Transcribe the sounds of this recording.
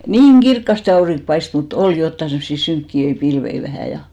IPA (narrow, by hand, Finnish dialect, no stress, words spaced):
niːŋ ɡ̊irkːɑste ɑuriŋk pɑist mut ol jotːɑ semsːi syŋkːiøi pilʋei ʋæhæˑ jɑ